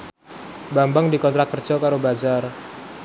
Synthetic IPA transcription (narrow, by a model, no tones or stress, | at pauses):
bambaŋdikɔnt̪ɾakkːər̥d͡ʒ̥ɔkaɾobad͡ʒar